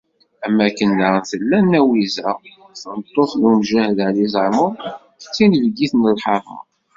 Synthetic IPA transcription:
æmːækːənːaɾnθəlːænːæwizæ | θənt̪ˤːoθnumʒæhəðʕlizəʕmʊɾ | t͡sːinəvɡiθnəlħɑɾˤə̰

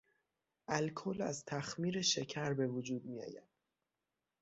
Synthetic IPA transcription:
ʔælkʰolæ̰zt̪ʰæxmiːɾe̞ʃe̞cʰæɾbe̞vod͡ʒuːd̪̚mijɒ̰ːjæ̰d̪̥̚

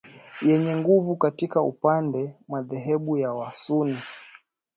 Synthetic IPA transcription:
jɛɲɛŋɡuvukatikaṵpandɛmaðɛɦɛɓujawasuni

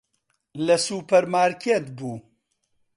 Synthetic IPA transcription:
lɐsuːpɐɾmaːɾkʰeːt̪buː

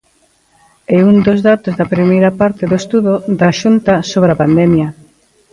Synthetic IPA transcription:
eund̪ozðat̪ozðɐpɾimejɾɐpaɾt̪ɪðoest̪uðʊd̪ɐʃunt̪ɐsoβɾeapand̪ɛmjɐ

